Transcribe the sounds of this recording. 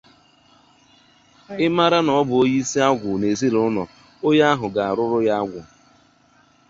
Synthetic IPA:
ɪ˦ma˦ɾa˦nɔ˨ɔ˦bʊ˨o˦ji˦i˦si˦a˦ɡʷʊ˨ne˨zi˦ɾʊ˦nɔ̰˨ | o˦ja˦a˦ɦʊ˨ɡa˨a˨ɾʊ˦ɾʊ˦ja˦a˦ɡʷʊ˨

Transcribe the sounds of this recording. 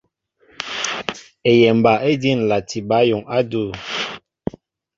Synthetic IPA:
e˨jɛ˨m˨ba˨ʔe˦di˦˨n˨la˨ti˨ba˨˦jo˨ŋa˦du˦˨

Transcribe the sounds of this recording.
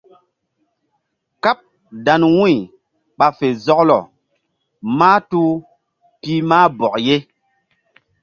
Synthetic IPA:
ka˦p̚ | da˨nwũ˦i˨ | ɓa˨fe˨zɔ˦klɔ̰˨ | maː˦tu˦ | pi˦maː˦bɔ˨kje˦

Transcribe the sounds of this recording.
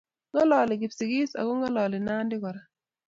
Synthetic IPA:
ŋɡɔ˦lɔ˨lɪ˨ɡɪ˨psi˨ɡi˦sa̰˨kɔ˦ŋɡɔ˦lɔ˨lɪ˨na˦ndɪ˦kɔ˨ɾa˨

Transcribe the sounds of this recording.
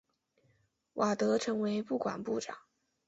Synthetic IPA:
wʔa˨˩t̪ɤ˧˥ʈ͡ʂʰɤ˧˥ŋwe˧˥ɪpu˥˩kwa̰˨˩npu˥˩ʈ͡ʂɑ̰˨˩˦ŋ

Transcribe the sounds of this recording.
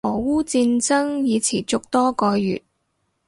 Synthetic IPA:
ɔː˨˩wuː˥t͡siː˧nt͡sɐ˥ŋjiː˨˧t͡sʰiː˨˩t͡sʊ˨k̚t̪ɔː˥kɔː˧jy̰ː˨˩t̚

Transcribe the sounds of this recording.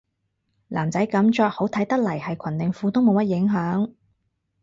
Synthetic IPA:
laː˨˩mt͡sɐ˨˥jkɐ˨˥mt͡ʃɔː˧k̚ho˨˥wt̪ʰɐ˨˥jt̪ɐ˥k̚lɐ˨˩jhɐ˨jkʷʰɐ˨˩nt̪ɪ˨ŋfuː˧t̪ʊ˥ŋmo˨˧wmɐ˥t̚jɪ˨˥ŋɦœː˨˥ŋ

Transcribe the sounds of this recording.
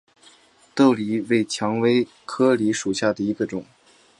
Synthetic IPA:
t̪o˥˩ʊli˧˥we˥˩ɪt͡ɕʰjɑ˧˥ŋwe˧˥ɪ | kʰɤ˥li˧˥ʂu˨˩ɕja˥˩d̪ə˩i˧˥ɡə˧ʈ͡ʂʊ˨˩˦ŋ

